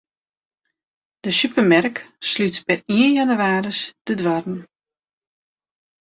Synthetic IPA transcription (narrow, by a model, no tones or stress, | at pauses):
d̥əsypərmɛrkslytpɛriənjanyʋaːɾəsd̥ədʋɔrn̩